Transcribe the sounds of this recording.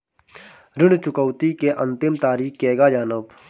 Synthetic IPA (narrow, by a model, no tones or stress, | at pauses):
ɾɪɳt͡ʃʊkəwt̪ikeʔɐ̃nt̪ɪmt̪aːɾiːkkeːɡad͡ʒaːnəb